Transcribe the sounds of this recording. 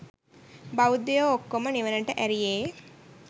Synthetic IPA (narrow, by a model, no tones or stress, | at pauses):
bawud̪ejookːoməniʋənəʈəʔæɾijeː